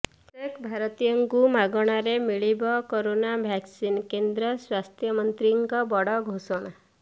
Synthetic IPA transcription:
ekbʱaɾɔt̪ijəŋɡumaɡɔɽ̃aɾemiɭibɔkoɾonabʱjaksinkend̪ɾʌswast̪ʰjʌmʌnt̪ɾiŋkɔbɔɽɔɡʱosɔɽ̃a

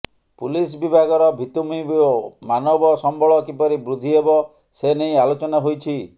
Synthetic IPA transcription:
pulis̬bibʱaɡɔɾɔbʱit̪umibomanɔbɔsɔmbʱɔɭɔkipɔɾibɾud̪ʱiebɔ | senejalot͡ʃɔnaɦojt͡ʃʰi

